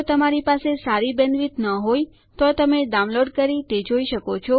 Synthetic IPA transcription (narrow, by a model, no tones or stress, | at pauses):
ot̪əmaɾipasesaɾibə̃nʋit̪nəɦoj | t̪ot̪əmeɖaw̃nloɖkəɾit̪ed͡ʒoiʃəkot͡ʃʰo